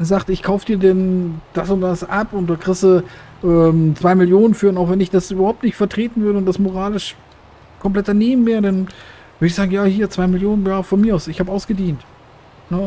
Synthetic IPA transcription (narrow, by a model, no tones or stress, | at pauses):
zaːktɪçkʰaʊfəd̥iːɐdɛnd̥asʊnt̚d̥asʔapʊnt̚d̥aːkʁ̥ɪsə | ʔɛmt͡sv̥aɪmɪljoːnənfyːɐʊntaʊxv̥ɛnɪçd̥asʔyːbɐhaʊp̚tnɪçtfɛɐtʁ̥eːtn̩vʏɐdəʊnt̚d̥asmoʁ̞aːlɪʃ | kʰɔmpl̥ɛt̚ɐneːm̩meːɐdan | vʏɐdɪçz̥aːɡŋ̩jaːhiːɐt͡sv̥aɪmɪljoːnənjaːfɔnmiːɐʔaʊsɪçhaːbəʔaʊsɡ̥ədiːnt | nə